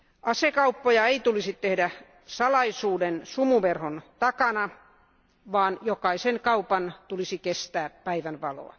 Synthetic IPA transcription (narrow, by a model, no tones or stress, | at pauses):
ʔɑsekɑupːojɑeit̪ulisit̪t̪ehdæ | sɑlɑisuːdensumuʋerhont̪ɑkɑnɑ | ʋɑːnjokɑisenkɑupɑnt̪ulisikest̪æːppæiʋænʋɑlo̰ɑ̰